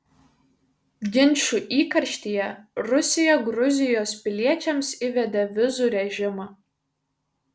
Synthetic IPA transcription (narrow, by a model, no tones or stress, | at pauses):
ɡʲɪnʲʃuʔiːkɐɾʲʃʲt̪ʲijɛrʊsʲɪjɛɡɾʊzʲɪjoːspʲɪlʲiɛt͡ʃʲɛmsɪʋʲɛd̪ɐʋʲɪzuɾʲɛʒʲɪmɐ